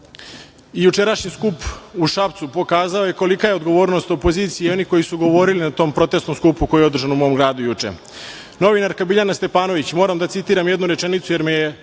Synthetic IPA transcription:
ijut͡ʃe̞ɾaʃɲiskupuʃapt̪supo̞kaːzao̞jeko̞likajeod̪ɡo̞ʋo̞ːɾno̞st̪opo̞ziːt̪sijeo̞niko̞jisuɡo̞ʋo̞ɾilinat̪o̞ːmpɾo̞t̪e̞st̪o̞mskupuko̞jijeo̞d̪r̩ʒanumo̞omɡɾaːd̪ujut͡ʂḛ | no̞ʋinaɾkabiʎanast̪e̞paːno̞ʋit͡ɕmo̞ːɾamd̪at̪sit̪iːɾamjed̪nuɾe̞t͡ʃenit̪suje̞ɾmeje

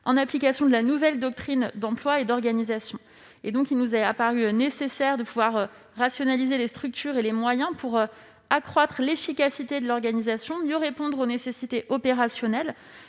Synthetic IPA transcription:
ɑ̰̃naplikasjɔ̃d̪əlanuvɛld̪ɔk̚t̪χind̪ɑ̃plwaed̪ɔʁɡanizasjɔ̃ | ed̪ɔ̃kilnuzɛapaʁyønesesɛʁd̪əpuvwaʁøː | asjɔnalizelest̪χyk̚t̪ʰyʁelemwajɛ̃puʁø | akχwat̪χəlefikʲasit̪ed̪əlɔʁɡanizasjɔ̃mjəʁepɔ̃d̪ʁonesesit̪eʔɔpeʁasjɔnɛl

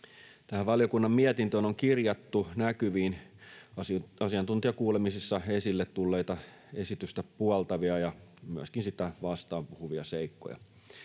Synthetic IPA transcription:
t̪æhæʋʋɑljokunːɑmmiɛt̪int̪ønoŋkirjɑt̪ːunækyʋiːn | ɑsiɑnt̪unt̪iɑkuːlemisisːɑesilːet̪t̪ulːeit̪ɑ | esit̪yst̪æpuɑlt̪ɑʋiɑjɑmyæ̰skinsit̪æʋɑst̪ɑːmpuhuʋiɑ̰seikːo̰jɑ̰

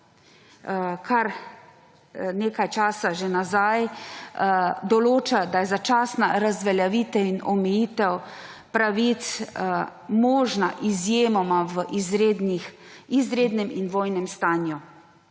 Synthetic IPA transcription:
kʰaɾ | neːkajt͡ʃaːsaʒenazaj | d̪ɔloːt͡ʃad̪ajɛzat͡ʃaːsnaɾazʋɛljaʋit̪ɛinɔmɛjiːt̪ɛw | pɾaʋit̪s | mɔːʒnaʔizjeːmɔmaʋəʔizɾed̪nixizɾeːd̪nɛminʋoːjnɛmst̪aːnju

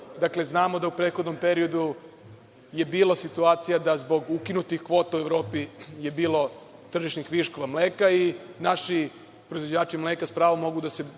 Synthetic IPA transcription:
d̪akle̞znaːmo̞d̪aupɾet̪xo̞d̪no̞mpe̞ɾio̞d̪u | je̞biːlasit̪uaːt̪sijad̪azbo̞ɡukinut̪ixkʋo̞t̪aueʋɾo̞ːpije̞biːlo̞ | t̪r̩ʒiʃnixʋiʃko̞ʋamleːkainaʃi | pɾoizʋo̞d͡ʑaːt͡ʃimlekaspɾaːʋomːo̞ɡud̪ase̞

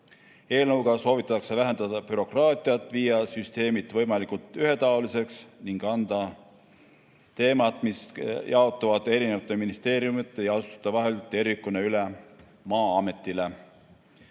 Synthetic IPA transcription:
e̞ːlnɤwɡ̥ɑso̞ːvit̪ːˑɑtːɑksevæɦe̞nd̪̥ɑd̪̥ɑpyɾo̞krɑːt̪ʲˑiɑt̪ːˑviːjɑsyst̪e̞ːmit̪ːˑvɤ̞jmɑlikult̪yhe̞t̪ɑolise̞ksniŋɡ̥ɑnd̪̥ɑ | t̪e̞ːmɑt̪ˑmisjɑo̞t̪ːˑuvɑd̪̥e̞ɾinevɑt̪ːˑeminist̪e̞ːɾijumit̪ːˑe̞jɑɑsu̥t̪ɑ̥t̪ːɑvɑɦe̞lt̪e̞ɾikːuneyle | mɑːɑme̞t̪ːˑile

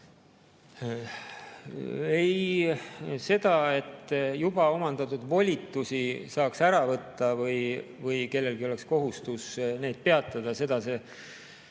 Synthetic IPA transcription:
ej | se̞d̪̥ɑe̞t̪ːjub̥ɑo̞mɑnd̪̥ɑt̪ud̪vo̞lʲit̪ːˑusisɑːksæɾɑvɤt̪ːɑvɤj | vɤjke̞lːe̞lɡ̥io̞leksko̞ɦust̪usne̞jd̪̥̚pe̞ɑt̪ːˑɑd̪̥ɑse̞d̪ɑse̞

